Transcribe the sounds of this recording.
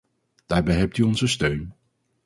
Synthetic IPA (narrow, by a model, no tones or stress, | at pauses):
d̥aːɹbɛjɦɛp̚tyɔnzəstøɥn